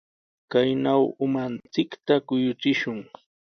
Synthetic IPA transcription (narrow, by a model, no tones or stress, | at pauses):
kajnawʊmant͡sɪkt̪akʊjʊt͡sɪʃʊŋ